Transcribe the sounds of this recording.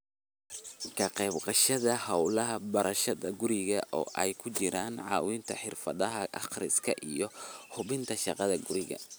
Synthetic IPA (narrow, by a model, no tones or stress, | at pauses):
kʰɐqɛːbqɑʃɐðɐhɑwlɐɦɐbɐɾɐʃɐðɐɡʊɾɪɣɐʔɔ̰ːʔɛjkʰʊt͡ʃɪɾaːnʕɑ̰ːwɪnt̪ʰɐħɪrfɐðɐɦɐʔɑ̰qrɪskʰɐ̰ʔijɞhʊβɪnt̪ʰɐʃɑqɑðɐɡʊɾɪɣɐ̰